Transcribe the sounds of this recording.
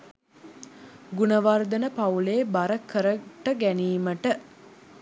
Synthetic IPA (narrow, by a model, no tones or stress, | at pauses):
ɡunəʋard̪ənəpauleːbaɾəkʰəɾəʈəɡæniːməʈə